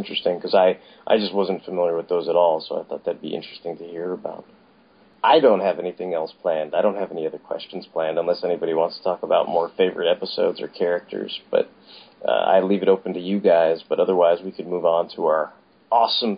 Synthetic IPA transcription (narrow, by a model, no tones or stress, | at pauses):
nt͡ʃɹ̥ɨstɪ̃ŋkʰʌzaɪ | ʔa̰ɪd͡ʒʌst̚wʌzn̩tfəmɪlˠjə˞wɨðoʊzəɾɔlˠsoʊa̰ɪθɔ̰t̪̚ðɨbḭʔɪ̰̃nt͡ʃɹ̥ɨstɪ̃ŋtʰɨhiɹəbaʊt̚ | ʔaɪdõʊ̃nt̚ɦɨvɛniθɪ̃ŋɛlˠspʰl̥æ̃ndaɪɾõʊ̃n̚ɦɨvɛniʌðə˞kʰw̥ɛ̰st͡ʃn̩z̥pʰl̥æ̃ndə̃nlɛsɛnibɑɾiwɑ̃ntstʰə̥tʰɔkəbaʊt̚mɔɹfeɪvə̰˞ɨɾɛpəsoʊdzə̰˞kʰɛɹɨk̚tʰə̰˞z̥b̥ʌ̰ɾ | ʌ̰a̰ɪlivɨɾoʊpn̩tʰɨjɨɡaɪzb̥ʌɾʌðə˞waɪzwikʰɨd̚muvn̩tʰəaə˞ | ɔsə̃m